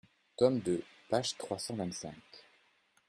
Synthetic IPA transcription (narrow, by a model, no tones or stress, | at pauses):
t̪ɔmd̪əpaʒt̪χwasɑ̃vɛ̃nt̪sɛ̃k